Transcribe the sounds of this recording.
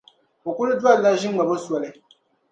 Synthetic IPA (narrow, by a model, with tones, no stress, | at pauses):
o˨kʊ˦lɨ˦dwa˦lna˦ʒɪ˦ŋ˦ɡ͡ba˨bo˦swɔ˨lɨ˦